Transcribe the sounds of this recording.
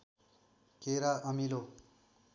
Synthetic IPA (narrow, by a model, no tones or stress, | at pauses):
keɾaʔʌmilo